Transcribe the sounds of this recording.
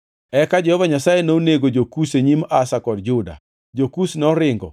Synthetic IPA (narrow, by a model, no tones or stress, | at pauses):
ɛkad͡ʒɛhɔvaɲasajenoneɡod͡ʒokuseɲimasakɔdd͡ʒʊda̰ | d͡ʒokusnɔɾɪŋɡɔ̰